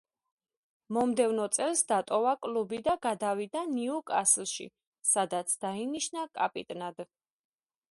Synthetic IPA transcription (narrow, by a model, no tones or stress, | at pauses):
mɔmd̪ɛvnɔt̪sʼɛlsd̪at̪ʼɔvakʼlubid̪aɡad̪avid̪aniukʼaslˠʃḭ | sad̪at̪sʰd̪̥ainiʃnakʼapʼit̪ʼnad̪